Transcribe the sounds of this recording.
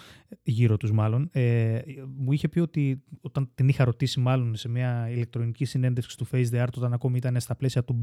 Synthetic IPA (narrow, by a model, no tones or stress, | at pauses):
ʝiɾo̞t̪uzmɐlo̞ne | muiçe̞pio̞t̪io̞t̪ɐnt̪inixɐɾo̞t̪isimɐlo̞nse̞mɐile̞k̚t̪ɾo̞nicisine̞nd̪efksi̥t̪ufejzd̪iɐɾt̪o̞t̪ɐnɐko̞miit̪ɐne̞st̪ɐple̞siɐt̪ub